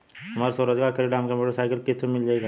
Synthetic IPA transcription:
ɐmaːɾsoɾəd͡ʒɡaːkʰəɾiɖaːmkɛ̃mpuːʈəɾsaːɪkəlkɪt̪ʰːemɪld͡ʒaeɡaː

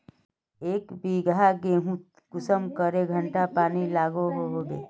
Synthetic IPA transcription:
eːkbiːɡaɡeːɦũt̪ | kʊsəmkəɾeɡʱəɳʈapaːnilaːɡoɦoɦoːɡḛː

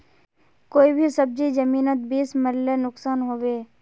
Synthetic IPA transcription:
koːibʱisəb̚d͡ʒid͡ʒəmiːnət̪̚biːsməɾlenʊksaːnɦoːʋeː

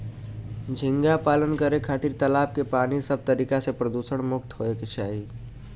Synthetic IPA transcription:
d͡ʒʱɪ̃ŋɡapaːlənkəɾekʰaːt̪iɾt̪əlaːp̚kepaːnisəb̚ʱt̪əɾiːkasepɾəd̪uːsəɽ̃mʊkt̪ɦoeket͡ʃʰaːi

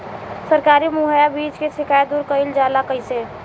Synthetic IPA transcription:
sɐɾkaːɾimʊɦəjabiːt͡ʃkesɪkʰaːjd̪ʊɾkəɪld͡ʒaːlakəɪse

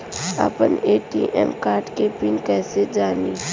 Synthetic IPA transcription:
ɐ̰pəneːʈiʔɛ̰ːmkaːɾɖkepɪnkɛːsed͡ʒaːniː

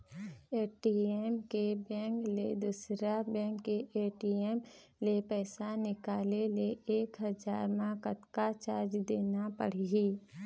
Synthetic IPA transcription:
eːʈiemkebɛ̃ːŋkled̪usɾabɛ̃ːŋkːeʔeːʈiem | lepɛːsanɪkaːleleeːkɦəd͡ʒaːɾmãkət̪kat͡ʃaːɾd͡ʒd̪eːnapə̰ɽiiː

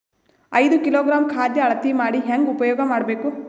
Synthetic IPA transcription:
ɐjd̪ukiloːɡɾaːmkʰaːd̪jɐːɭɐt̪imaːɽiɦeŋɡupɐjɔːɡɐmaːɽɐbeːku

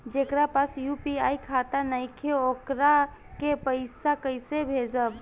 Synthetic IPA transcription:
d͡ʒekɾapasjupiajkʰat̪anajkʰeokɾa | kepəɪsakəɪsebʱed͡ʒəb

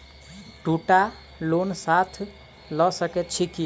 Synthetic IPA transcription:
ʈuʈa | lonsat̪ʰ | ləsəkɛt̪̚t͡ʃʰiki

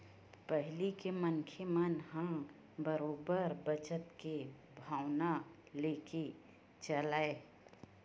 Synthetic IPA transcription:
pəɦlikeməŋkʰemənɦə̃ | bəɾoːbəɾbət͡ʃət̪ke | bʱaːʊna | leːke | t͡ʃəlaːe

